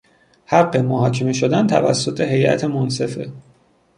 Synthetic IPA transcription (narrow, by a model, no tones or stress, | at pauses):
hæɢːemoɦɒːcʰeme̞ʃod̪ænt̪ʰæ̰væ̰sːot̪ʰe̞ɦe̞jʔæ̰t̪ʰe̞monse̞fe̞